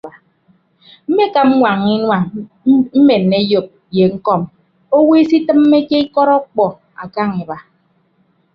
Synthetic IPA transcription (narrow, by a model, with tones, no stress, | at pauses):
a˨ | m̩˦me˦ka˨m̩˦ŋʷa˨ŋi˦wa˨ŋ˦ | m̩˦me˨nː˨e˦jo˨p̚ | je˨ŋ̩˦kɔ˦m | o˦we˦si˦tɨ˦m̩ː˦e˦ke˦i˦kɔ˦ɾɔ˦k͡pɔ˨ | a̰˨ka˦ŋe˨ba˨